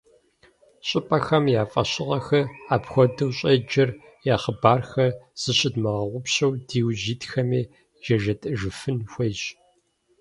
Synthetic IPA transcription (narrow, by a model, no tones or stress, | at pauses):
ɕʼɪpʼɐxɐmjaːfʼɐɕɪʁɐxɐaːpxʷɔdɨwɕʼɐd͡ʒɐr | jaːχəbaːrxɐsɨɕɪdmɐʁɐʁʷʊpɕɐwdiːwʑiːtxɐmeː | ʒɐʒɐtʼɨʒɨfɨnxʷejɕ